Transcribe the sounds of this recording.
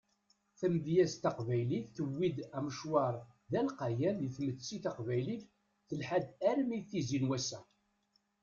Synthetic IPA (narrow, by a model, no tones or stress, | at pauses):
θæmvjæzt̪ɑqvæjliθːəwːid̪æməʃwɑɾˤðælqɑjæmiθmət͡sːiθɑqvæjliθ | θəlħad̪æɾmiθizinwæsæ